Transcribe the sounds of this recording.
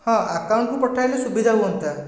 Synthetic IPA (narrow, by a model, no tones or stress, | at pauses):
hɔ̃akawɳʈkupɔʈʰajlesubid̪ʱaɦuɦɔnt̪a